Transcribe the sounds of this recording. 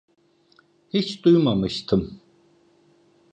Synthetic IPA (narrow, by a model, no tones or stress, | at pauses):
hit͡ʃd̪̥ujmamɯʃt̪ʰɯm